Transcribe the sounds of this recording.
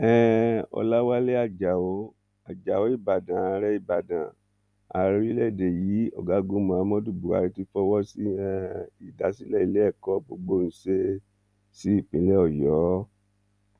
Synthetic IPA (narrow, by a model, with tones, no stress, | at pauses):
ɛ˦ɔ̰˧la˦wa˦le˦a˦˨d͡ʒa˨o˨˦ | a˨d͡ʒa˨o˨˦i˦˨ba˨dã˨˧˦ɾɛ˦i˦˨ba˨dã˨ | a˨˦˧ɾi˧ɾi˦lɛ˦˨de˨ji˨˦ɔ̰˨ɡa˨˦ɡũ˨˦mɔ̃˧˨a˨˧mɔ̃˦du˦˨bu˨a̰˨˧ɾi˧ti˧fɔ˧wɔ˦si˦ɛ˦i˨da˨˦si˦lɛ˦i˦˧le˦ɛ˦˨kɔ˦bo˧ɡ͡bo˦˧ñ̩˨˦se˦ | si˦i˦˨k͡pĩ˨˦lɛ˦ɔ˦˨jɔ˨˦